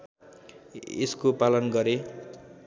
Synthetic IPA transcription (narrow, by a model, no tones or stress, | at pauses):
ḛskopalʌnɡʌɾe